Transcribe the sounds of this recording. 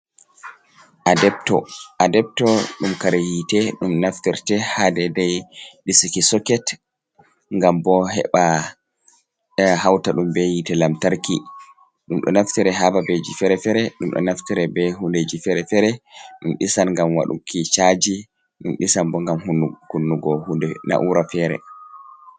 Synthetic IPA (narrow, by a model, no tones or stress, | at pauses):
ʔadɛbtɔadɛb̚tɔɗumkaɾajitɛɗumnaftiɾtɛhadɛdɛjɗisikisɔkɛt | ŋɡambɔɦɛ̰ɓa | hawtaɗumbɛjitɛlamtaɾki | ɗumɗɔ̰naftiɾɛɦababɛd͡ʒifɛɾɛfɛɾɛɗumɗɔ̰naftɛɾɛbɛɦunded͡ʒifɛɾɛfɛɾɛɗumɗisanŋɡamwa̰ɗṵkit͡ʃad͡ʒi | ɗumɗisanbɔŋɡamhukunːuɡɔhundɛna̰ʔuɾafɛːɾɛ̰